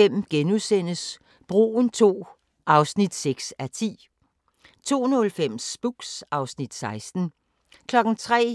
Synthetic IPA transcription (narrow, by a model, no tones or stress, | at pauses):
em̰mɡ̥enusen̰əs | b̥ʁṵːn̩t͡sʰo̝̰ː | ʔɑ̈ʊsnid̥seɡ̥sæt͡sʰḭː | t͡sʰo̝̰ːnɔ̽lfem̰sb̥uɡ̥sɑ̈ʊsnid̥sɑ̈ɪsd̥n̩ | kʰlɒ̽ɡ̥n̩t͡sʰʁɛ̰ː